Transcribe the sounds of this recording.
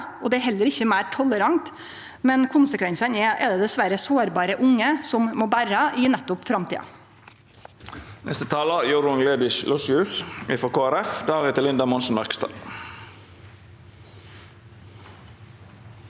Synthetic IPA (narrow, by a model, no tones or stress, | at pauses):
ʔɔd̪ɛæɾɦɛlːəɾɪçːəmæɪʈʰɔləɾɑŋt̪ | mɛnkʰʊnsəkʰʋɛnsənɛʔɛd̪ɛd̪ɛsʋæɾəsoːɾbɑːɾəʔʊŋːəsɔmmoːbæɾəʔɪnɛt̪ːʊpfɾɑmt̪ʰḭːɑ̰ | nʔɛ̰st̪ət̪ʰɑːləjʊːɾʊŋleːbɪʃlɔshʉːsɪfɔkʰoːæɾɛfd̪ɑːʁɪt̪ɪlɪnd̪ɑmɔnsn̩mæʁkst̪ɑ̰ː